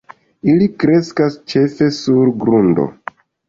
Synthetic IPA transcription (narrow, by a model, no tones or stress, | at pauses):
ilikɾe̞skast͡ʃe̞fe̞suɾɡɾundo̞̰